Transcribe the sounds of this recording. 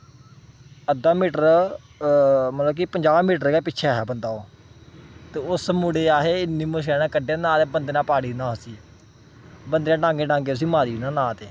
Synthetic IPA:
əd̪aːmiːʈəɾ | mət̪ləbkiːpəɲd͡ʒaːaːmiːʈəɾeːɡaːpɪtːʃʰɛːɦɛːbənd̪aːoː | t̪eːʊsmuɽeːaːɦeːɪnːiːmʊʃ̬ɛːnãːkəɖenãːt̪eːbənd̪eːnãːpaːɽiːnãːɦosiː | bənd̪eːnãːɖãːŋɡẽːɖãːŋɡeːt̪ʊs̬ĩːmaːɾiːnãːnãːt̪eː

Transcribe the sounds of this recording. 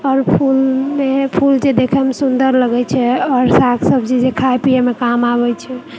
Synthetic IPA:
ɔɾpʰulmepʰuld͡ʒed̪ekʰɛmesund̪əɾləɡɛt͡ʃʰɛɔɾsakʰsəbd͡ʒed͡ʒekʰajpijamekamaβɛt͡ʃʰɛ

